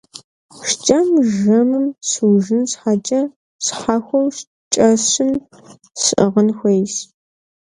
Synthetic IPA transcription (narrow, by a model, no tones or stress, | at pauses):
ʂt͡ʃʼɐmʒɐmɨmsɨwʒɨnsħat͡ʃʼɐ | sħaːxʷɔwʃ | t͡ʃʼɐsɨm | sɨʔəʁənxʷejs